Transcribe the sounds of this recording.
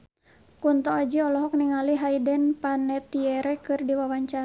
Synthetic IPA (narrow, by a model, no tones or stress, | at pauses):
kunt̪ɔad͡ʒiɔlɔɦɔk̚niŋaliɦaidɛnpanɛt̪iɛɾɛkɨrdiwawaɲt͡ʃa